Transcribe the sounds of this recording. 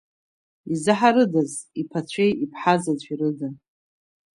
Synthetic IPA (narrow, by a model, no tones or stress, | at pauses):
izɨħaɾɨdazipʰat͡st͡ɕʷʰejipʰħazazʷʼiɾɨdan